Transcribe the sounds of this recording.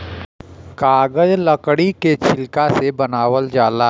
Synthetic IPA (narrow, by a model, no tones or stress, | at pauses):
kaːɡəd͡ʒləkɽiket͡ʃʰɪlkasebɐnaːwəld͡ʒaːlaː